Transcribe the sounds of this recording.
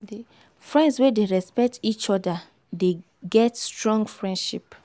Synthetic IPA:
di | fɹɛ̃ndswedeɹɛspɛk̚tʰit͡ʃɔda | de | ɡɛtstɹɔ̃ŋɡfɹɛ̃ndʃip

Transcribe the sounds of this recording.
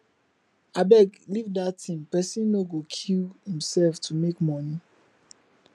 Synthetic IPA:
abɛɡlivdatʰĩmpɛsĩnːoɡokʰilhĩmsɛlftʰumekmɔni

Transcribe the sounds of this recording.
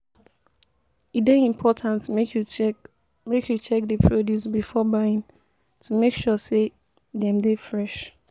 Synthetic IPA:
ideĩmpʰɔtʰãntekʰju | mekʰjut͡ʃʰɛk̚dəpʰɹodjusbifɔbaɪ̃n | tʰumekʃɔse | dɛ̃mdefɹɛʃ

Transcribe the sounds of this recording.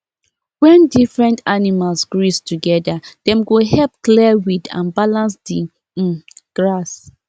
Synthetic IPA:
wɛ̃ndifɹɛ̃ntanimalsɡɹistuɡɛdad̥ɛ̃mɡoɦɛlp̚kliwidã̰nbalãnsdi | ɡ̥ɹas

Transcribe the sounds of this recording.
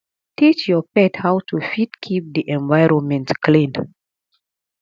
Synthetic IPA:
tʰit͡ʃjɔpɛthawtʰufitkʰip̚diʔɛ̃nvaɪɹɔ̃nmɛ̃ntklĩnd

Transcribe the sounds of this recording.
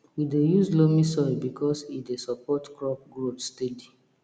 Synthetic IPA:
widejuzlomĩsɔjbikʰɔsidesɔpɔtkɹɔp̚ɡɹotstedi

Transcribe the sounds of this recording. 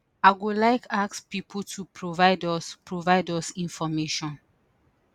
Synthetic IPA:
aɪɡulaɪkʰakspipʰutʰupʰɹovaɪdɔspɹovaɪdɔsĩnfɔmeʃɔ̃n

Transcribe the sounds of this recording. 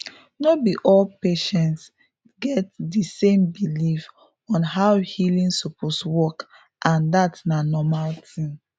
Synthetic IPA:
nobiʔɔlpeʃɛ̃nts | ɡɛtdisẽmbilif | ɔ̃nɦaʊhilĩnsɔpʰoswɔk | ʔãndatnanɔmaltʰĩm

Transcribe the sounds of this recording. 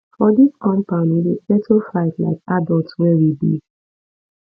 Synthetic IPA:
fɔdiskɔ̃mpãʊ̃nwilipɛtəfaɪtla̰ɪkadɔltswɛwibḭ

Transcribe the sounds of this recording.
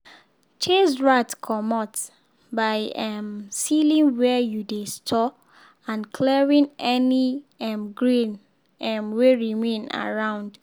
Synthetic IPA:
t͡ʃesɹatkʰɔmɔt | baɪɛmsilĩnwɛjudestʰɔ | ãnkʰlɛɹĩnɛniɛmɡɹĩn | ɛmweɹimẽna̰ɹãʊ̃nd

